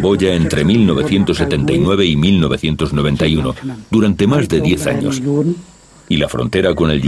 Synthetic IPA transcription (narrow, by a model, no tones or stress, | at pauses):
bo̞ʎaent̪ɾe̞milno̞β̞e̞θje̞nt̪o̞se̞t̪e̞nt̪ajnwe̞βe̞imilno̞βe̞θje̞nt̪o̞zno̞β̞e̞nt̪ajuno̰d̪uɾant̪e̞mazðeðje̞θa̰ɲo̞̰s | ilafɾont̪e̞ɾako̞ne̞lʎ